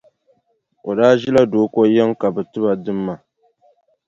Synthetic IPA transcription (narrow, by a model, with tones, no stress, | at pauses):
ʔo˨daː˦ʒi˦la˦doː˦ko˦jɛ˦ŋka˨bɛ˨tɨ˦ba˨dɨ˦mːa˨